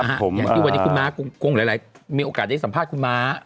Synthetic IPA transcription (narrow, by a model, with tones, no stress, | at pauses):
ʔa˨˩pʰːo˩˦jaː˨˩iː˥˩a˧ni˦˥kʰu˧nmaː˦˥ko˧ŋko˧ŋlːlaː˨˦miː˧ʔoː˧kaː˨˩t̪̚a˥˩sa˩˦mpʰaː˥˩t̪̚kʰu˧nmaː˦˥